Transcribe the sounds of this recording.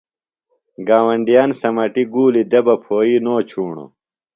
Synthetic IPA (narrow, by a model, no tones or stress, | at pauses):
ɡaːwɐɳɖijaːnsɐmɐʈiɡuːlid̪ebɐpʰoːinoːt͡ɕʰuːɳo̰